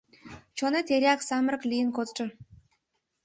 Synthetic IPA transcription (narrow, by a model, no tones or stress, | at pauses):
t͡ɕonet̪eɾʲaksɑmərəklʲijənkot͡sʈ͡ʂə̆